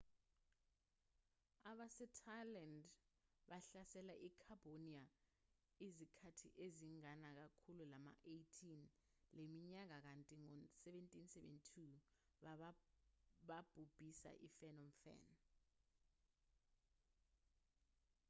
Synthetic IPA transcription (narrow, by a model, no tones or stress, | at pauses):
aɓasɛtʰajland | ɓaɬasɛlaʔikʰab̥ʱonia | izikʰatʰiʔeziŋanak̬akʰululama̰ʔejtʰin | lemiɲak̬ak̬antʼiŋɔsɛɓentʼinsɛɓḛntʰu | ɓa | ɓab̥ʱub̥ʱisa̰ʔḭfɛnɔmfɛ̰n